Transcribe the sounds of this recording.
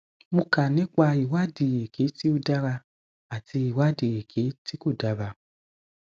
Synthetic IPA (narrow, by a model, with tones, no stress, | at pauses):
mũ˧ka˨nĩ˦k͡pa˧i˨wa˦di˨je˨ɡe˨˦ti˦o˧da˦˧ɾa˧ | a˨ti˧i˨wa˦di˨je˨kʰe˨˦ti˦ko˦˨da˧˦ba˧